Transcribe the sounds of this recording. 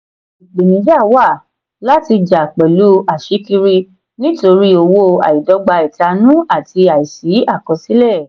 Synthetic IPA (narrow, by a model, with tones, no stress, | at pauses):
i˨ɡ͡be˨nĩ˨˦d͡ʒa˦˨wa˦˨ | la˦ti˧d͡ʒa˨k͡pɛ˨lu˨˦a˨ʃi˨˦ki˧ɾi˧ | nĩ˦to˧ɾi˦o˧wo˦˧a̰˨i˨dɔ˨˧˦ɡ͡ba˧i˨ta˧nũ˦a˦˨ti˧a˨i˨si˨˦a˦˨kɔ̃˨˧si˦lɛ˦˨